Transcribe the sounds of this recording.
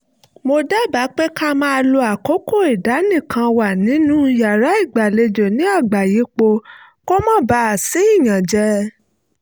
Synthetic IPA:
mo˧da˦ba˨˦k͡pe˦ka˦mã˦˧lo˧a˨ko˨˦ko˦˨i˨da˨˦nĩ˦˨kã˧wa˨nĩ˨˦nũ˦ja˨ɾa˨˦i˦˨ɡ͡ba˨le˧d͡ʒo˨nĩ˦a˦˨ɡ͡ba˨ji˨˦k͡po˧ | ko˦mɔ̃˦˨ba˧˦a˨sĩ˨˦i˦˨j̃ã˨d͡ʒɛ˧

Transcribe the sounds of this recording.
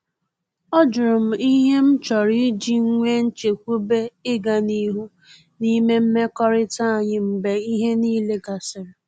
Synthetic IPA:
ɔ˦d͡ʒʊ˨ɾʊ˨m̩˨i˦ɦe˦m̩˦t͡ʃɔ˨ɾi˦d͡ʒi˦ŋ̩˦ŋʷe˦n̩˦t͡ʃe˨kʷu˦be˦ɪ˦ɡa˨ni˦ɦu˦ | ni˦me˦m̩˦me˦kɔ˦ɾɪ˦ta˦˨ɲɪ˦m̩˨be˨i˦ɦe˦niː˦le˦ɡa˨sɪ˨ɾɪ˨

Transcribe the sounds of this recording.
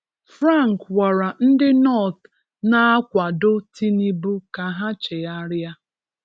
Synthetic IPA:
fɾa˦˨ŋkwa˨ɾa˨n̩˦dɪ˦nɔ˦˨t | na˦a˦kʷa˨dʊ˦tʰi˦ni˦bu˦ka˨ɦa˦t͡ʃe˨a˦ɾja˦

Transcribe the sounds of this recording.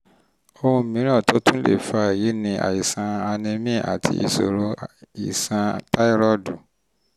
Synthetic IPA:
o˧ũ˧mĩ˨˦ɾ̃ɔ̃˦˨to˦tũ˦lḛ˦˨fa˦˨ji˨˦nĩ˧ʔa̰˨i˨sã˧a˧nĩ˧mĩ˦˨a̰˨tʰḭ˧ḭ˨so̰˨ɾo˦i˨sã˧ta˦i˦ɾɔ˦du˨

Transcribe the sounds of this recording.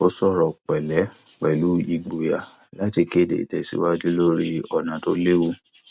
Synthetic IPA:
o˦sɔ˦˨ɾɔ˨k͡pɛ˨lɛ˨˦ | k͡pɛ˨lu˨˦i˧ɡ͡bo˨ja˨la˦ti˧ke˦˨dḛ˨tɛ˨sḭ˦wa˦di˦lo˦ɾi˦ɔ˨nã˨˦to˦le˦wu˦

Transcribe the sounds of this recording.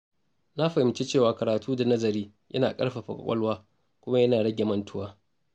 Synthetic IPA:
na˦ɸa˨ɪ˨mt͡ʃe˦t͡ʃeː˦˨waː˨kɐ˨ɾaː˨tʰuː˦da˨nɐ˦zɐ˨ɾiː˦ | jʔɐ̰˦naː˨kʼɐ˦ɽɸa˨ɸɐ̰˨kʷʼɐ̰˦lwaː˦ | kʷʊ˦ma˦jɐ˦naː˨ɽɐ˦ɡʲe˨mɐ˨ntʰʊ˦waː˦

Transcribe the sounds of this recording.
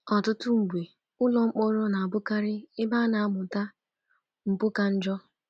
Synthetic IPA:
ɔ˨tʊ˦tʊ˦ŋ͡m̩˨ɡ͡bʷe˨ | ʊ˦lɔ˨ŋ͡m̩˦k͡pɔ˦ɾɔ˦na˨a˨bʊ˦ka˦ɾɪ˦ɪ˦baː˦na˨a˦mʊ˨ta˦ | ŋ͡m̩˨pʊ˦ka˦n̩˦d͡ʒɔ˦

